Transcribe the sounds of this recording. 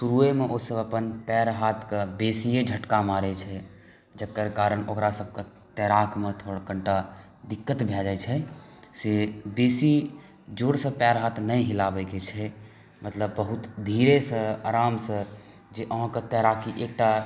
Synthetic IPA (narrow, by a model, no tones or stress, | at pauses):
suɾuemeʔosəbəpənpɛɾɦat̪ʰkəbesied͡ʒʱəʈkamaɾɛt͡ʃʰɛ | d͡ʒəkːəɾkaɾəɽokɾasəb̚ʱke | t̪ɛɾakʰmet̪ʰoɽkəɳʈa | d̪ikːət̪bʱɛd͡ʒat͡ʃʰɛsebesi | d͡ʒoɽsə̃pɛɾɦat̪ʰnəjɦilabɛket͡ʃʰɛ | mət̪ləbːəɦut̪d̪ʱiɾesə̃aɾamsə̃ | d͡ʒeʔəɦãket̪ɛɾakʰiʔek̚ʈa